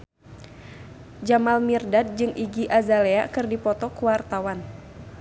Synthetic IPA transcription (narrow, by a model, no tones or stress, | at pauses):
d͡ʒamalmirdat̪̚d͡ʒɨŋʔiɡiʔazaleakɨrdipɔt̪ɔkuwart̪awan